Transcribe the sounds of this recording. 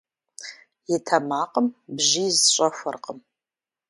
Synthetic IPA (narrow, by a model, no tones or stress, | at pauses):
jɪtʰɐmaːqʼəmbʒizɕʷʼɐfʷɐ̰rqʼəm